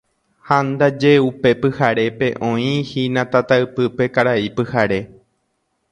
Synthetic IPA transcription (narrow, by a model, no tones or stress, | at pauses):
hãnd̪ad͡ʒe̞upe̞pɨhaɾe̞pe̞ʔõ̞ĩhinãt̪at̪aɨpɨpe̞kaɾaipɨhaɾe̞